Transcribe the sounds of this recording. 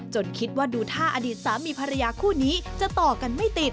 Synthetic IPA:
t͡ɕo˧nkʰi˦˥t̪̚waː˥˩duː˧t̪ʰaː˥˩ʔa˧diː˨˩t̪̚saː˩˦mːiː˧pʰa˧ɾa˧jaː˧kʰuː˥˩niː˦˥t͡ɕa˨˩ʔt̪ɔː˨˩ka˧nma˥˩jt̪i˨˩t̪̚

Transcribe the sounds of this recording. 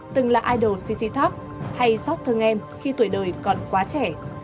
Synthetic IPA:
t̪ɨ˨˩ŋlaː˨˩ʔaː˧jɗo˨˩t̚si˧˥sḭ˧˥t̪ʰa˦˥k̚ | ha˧jsɔ˦˥t̚t̪ʰɨ˨˧˩ŋʔɛ˧mxi˧t̪u˧˩əjɗəː˨˩jkɔ˨˩nkwaː˨˦t͡ɕɛ˧˩

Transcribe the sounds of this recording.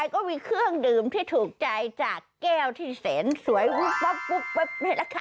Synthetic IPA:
a˧jkɔː˥˩miː˧kʰɯ˥˩əŋdɯː˨˩mt̪ʰiː˥˩t̪ʰuː˨˩k̚t͡ɕa˧jt͡ɕaː˨˩kːɛː˥˩wt̪ʰiː˥˩seː˩˦nsu˩˦əjwu˦˥fɔ˦˥ku˦˥p̚we˦˥p̚na˥˩jla˦˧˥kʰa˧˩

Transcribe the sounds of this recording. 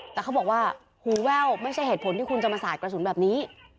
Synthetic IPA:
t̪ɛː˨˩kʰa˦˥wbɔː˨˩k̚waː˥˩ | huː˨˩˦wɛː˥˩wma˥˩jt͡ɕʰa˥˩jɦeː˨˩t̪̚pʰo˩˦nt̪ʰiː˥˩kʰu˧nt͡ɕa˨˧˩maː˧saː˨˩t̪̚kɾa˧su˨˩˦nbɛː˨˩p̚niː˦˥

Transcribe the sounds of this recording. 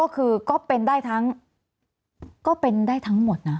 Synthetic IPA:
kɔː˥˩kʰɯː˧kɔː˥˩pe˧ndaː˥˩jt̪ʰa˦˥ŋ | kɔː˥˩pe˧ndaː˥˩jt̪ʰa˦˥ŋmo˨˩t̪̚na˦˥

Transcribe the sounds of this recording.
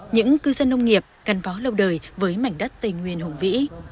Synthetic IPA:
ɲɨ̰˧˥ŋkɨ˧zə˧nːə˧wŋ͡mŋi˨˩əp̚ka˨˩jŋ̟faː˨˦lə˧wɗəː˨˩jvəː˨˦jma˧˩jŋ̟ɗə˦˥t̚t̪ə˧˩ŋwi˨˩ənhʊ˨˩ŋ͡mvḭ˧˥

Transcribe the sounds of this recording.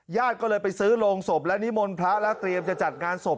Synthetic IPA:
jaː˥˩t̪̚kɔː˥˩lɤː˧jpa˧jsɯː˦˥loː˧ŋso˨˩p̚lɛ˦˥ni˦˥mo˧npʰɾa˦˥lɛ˦˥t̪ɾi˧əmt͡ɕa˨˩t͡ɕa˨˩t̪̚ŋaː˧nso˨˩p̚

